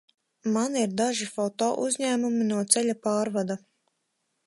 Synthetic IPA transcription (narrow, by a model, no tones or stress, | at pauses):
maniɾd̪aʒifɔt̪ɔ̰ːʔuzʲɲæːmuminuɔt̪sɛʎʲapaːɾvad̪a